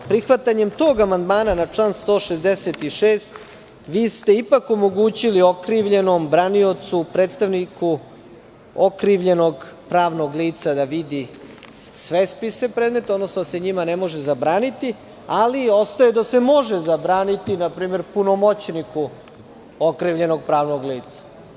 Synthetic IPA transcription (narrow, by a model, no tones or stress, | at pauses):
pɾixʋat̪aɲe̞mt̪o̞ːɡamand̪maːnanat͡ʂlˠaːnst̪o̞ːʃezd̪eset̪iʃeːst̪ | ʋiːst̪e̞ipakomo̞ɡuːt͡ɕiliokɾiʋʎe̞no̞mbɾanio̞t̪supɾeːt̪st̪aʋniku | okɾiʋʎe̞no̞ɡpɾaːʋno̞ɡliːt̪sad̪aʋid̪i | sʋespise̞pɾeːd̪me̞t̪od̪nosnod̪aseɲimane̞mo̞ʒezabɾaːnit̪i | alio̞st̪ajed̪ase̞mo̞ʒezabɾaːnit̪inapɾiːme̞ɾpuno̞mo̞t͡ɕniku | okɾiʋʎe̞no̞ɡ̚pɾaːʋno̞ɡliːt̪sḁ